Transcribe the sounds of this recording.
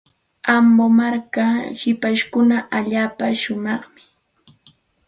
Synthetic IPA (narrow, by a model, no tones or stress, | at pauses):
ambomaɾkahɪpaʃkʊnaʔaʎaːpaʃʊmɑχmɪ̥